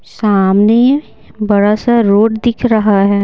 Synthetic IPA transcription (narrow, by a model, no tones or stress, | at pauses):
saːmne | bɐɽasaɾoːʈd̪ɪkʰɾɐɦaɦɛː